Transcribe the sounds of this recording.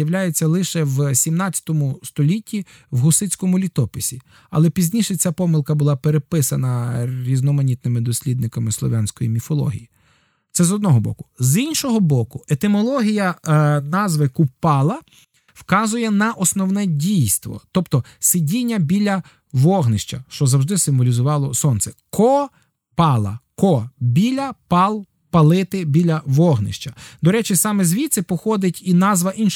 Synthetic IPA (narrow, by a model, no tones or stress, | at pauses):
jɐwlʲajet͡sʲːɐlˠɪʃɛwsʲimnɑt͡sʲjɐ̥t̪ɔmʊst̪ɔlʲitʲːi | wɦʊsɪt͡sʲkɔmʊlʲit̪ɔpɪsʲi | ɐ̰lˠɛpʲizʲnʲiʃɛt͡sʲapɔmɪlˠkɐbʊlˠɑpeɾepɪsɐnɐɾʲiznɔmɐnʲit̪̚nɪmɪd̪ɔsʲlʲid̪nɪkɐmɪslˠɔ̰ʋansʲkɔjḭmʲifɔlˠɔ̰ɦʲḭji | t̪sɛzɔd̪nɔɦɔbɔ̰kʊ̥zinʲʃɔɦɔbɔkʊet̪ɪmɔlˠɔɦʲijɐnɑzʋɪkʊpɑlˠɐ | wkɑzʊjɛnɐʔɔsnɔwnɛdʲijst̪ʋɔ̰t̪ɔpt̪ɔ | sɪdʲinʲːɐbʲilʲɐ | ʋɔɦnɪʃt͡ʃɐ̰ʃt͡ʃɔzɐwʒd̪ɪsɪmʋɔlʲizʊʋɑlˠɔsɔnt̪sɛkɔ | pɑlˠɐ̰kɔbʲilʲɐpɑlˠ | pɐlˠɪt̪ɪbʲilʲɐʋɔɦnɪ̰ʃt͡ʃɐd̪ɔɾɛt͡ʃɪsɑmɛzʋʲit̪sɪpɔxɔd̪ɪtʲinɑzʋɐʔinʃ